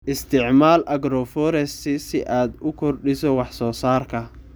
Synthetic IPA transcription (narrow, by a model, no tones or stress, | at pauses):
ʔɪst̪ʰɪʕmaːlʔɐɡɾɔfɔɾɛst̪ɪsɪʔaːd̪ʊkʰɔrɖɪsɔwɑħsɔːsaːrkʰɐ